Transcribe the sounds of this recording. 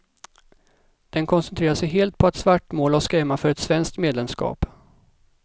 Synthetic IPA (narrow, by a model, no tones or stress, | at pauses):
d̪̥ɛnkʰɔnsɛnt̪ʰɾeːɾaʂɛjɦeːlt̪̚pʰɔat̪svaʈːmoːlɔskɛːmafœɾɛt̪svɛnsk̚t̪meːd̪lɛmskɑ̰ːp